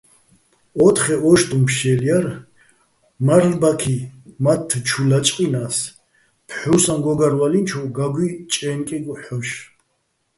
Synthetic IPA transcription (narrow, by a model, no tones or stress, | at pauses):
ɔt̪χɛɔʃt̪ʼumpʰʃɛljaɾ | maɾlbakʰimat̪ʰːt͡ʃʰulat͡ʃʼqʼinas | pʰħuwsanɡɔɡaɾvalint͡ʃʰɔɡaɡwit͡ʃʼɛːnkʼɛɡɔħɔʃ